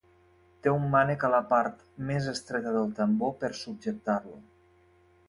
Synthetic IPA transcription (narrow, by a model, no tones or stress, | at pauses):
t̪eumːanəkaləpaɾt̪ | mezəst̪ɾɛt̪əðəlˠt̪əmbopəɾsub̚d͡ʒək̚t̪aɾlu